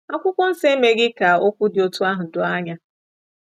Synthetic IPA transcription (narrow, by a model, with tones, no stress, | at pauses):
a˦kʷʊ˦kʷɔ˦n̩˦se˦me˦ɡɪ˦ka˨o˦kʷu˦dɪ˨o˦tu˦a˦ɦʊ˨dʊ˨˦a˦ɲa˦